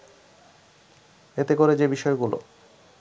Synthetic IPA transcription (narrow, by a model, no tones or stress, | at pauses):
et̪ekoɾed͡ʑebiʃɔeɡulo̰